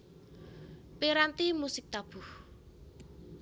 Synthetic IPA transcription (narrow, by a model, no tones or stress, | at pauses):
piɾant̪imusɪk̚t̪ab̥uh